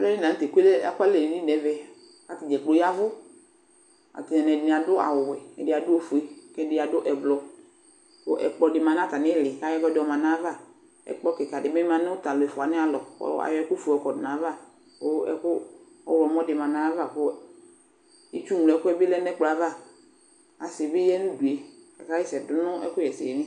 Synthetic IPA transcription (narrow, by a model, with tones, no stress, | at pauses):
lɛ˦ni˦nã˨n˦t̪e˨ku˦e˦lɛ˦a̰˦ka˦le˨ni˦nɛ˨˦vɛ˨ | ka˨t̪ɪ˨d͡ʒɛ˨k͡po˨ja˦vʊ˦ | a̰˨t̪ɪ˨nɛ˨nɛ˨dnɪ˨a˨dʊ˦a̰˨wʊ˨wɛ˨ɛ̰˨dɪ˨a˨dʊ˦o˦fu˨e˨kɛ˦˨dɪ˨a˨dʊ˦ʔɛ˨blɔ˨ | ko˦ʔɛ̰˨k͡pɔ˨dɪ˨mã˨nã˦t̪a˨nɪ˦˨lɪ˨ka˨˦jɔ˦vɛ˦dɪ˨ɔ˨mã˨nã˦va˦˨ | ɛ̰˨k͡pɔ˦kɪ˨ka˨dɪ˨mɛ˦mã˨nɪ˦ʊ˦t̪a˨lʊ˨ɛ˨fʊ˨a˨nɪ˦a˦lɔ˨ɔ̰˦a̰˨jɔ˨˦ɛ˦kʊ˦fu˨ɔ˨˦kɔ˨dɪ˨nã˨˦va˦˨ | o˦ɛ̰˨kʊ˦ | ɔ̰˦˨ɔ˨m˦ɔ˦dɪ˨mã˨nã˨˦va˦˨ko˦ | i˦t͡ʃu˦m˨lɛ˦kʊ˦ɛ˦bɪ˦lɛ˦nɛ˦k͡pla˨˦va˦˨ | a˨sɪ˨bɪ˦jɛ˦nũ˦du˨e˨ka˨ka˦i˦sɛ˨dʊ˦nʊ̃˦ɛ̰˦kʊ˦jɛ˨sɪ˨ɛ˨nɪ̃˦